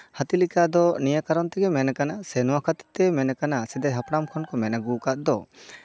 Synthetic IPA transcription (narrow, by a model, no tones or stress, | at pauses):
hat̪ilikad̪ɔnijakaɾɔnt̪ɛɡɛmɛnɛkanasɛnɔwakʰat̪i̥t̪ɛmɛnɛkanasɛd̪ajɦapɽamkʰɔnkɔmɛnəɡukat̪̚d̪ɔ